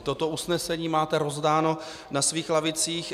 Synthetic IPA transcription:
t̪o̞t̪o̞usnɛsɛɲiːmaːt̪ɛɾo̞zdaːno̞ | nasviːxlavɪt͡siːx

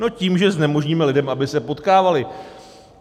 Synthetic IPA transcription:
no̞ciːmʒɛznɛmo̞ʒɲiːmɛlɪdɛmʔabɪsɛpo̞t̪kaːvalɪ

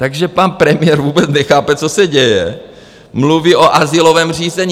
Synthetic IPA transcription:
t̪aɡʒɛpanpɾɛmɪjɛɾvuːbɛt͡snɛxaːpɛt͡sosɛɟɛjɛ | mluviʔoʔazɪlovɛːmr̝iːzɛɲ

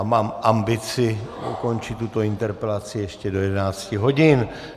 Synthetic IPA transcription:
maːmʔambɪt͡sɪṵko̞nt͡ʃɪt̪ːut̪o̞ɪnt̪ɛɾpɛlat͡sɪjɛʃcɛdo̞jɛdɛnaːt͡scɪɦo̞ɟɪn

